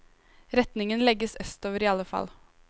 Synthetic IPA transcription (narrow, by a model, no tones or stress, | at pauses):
ɾɛt̪nɪŋənlɛɡəsœst̪oːʋəɾiːɑlːəfɑ̰l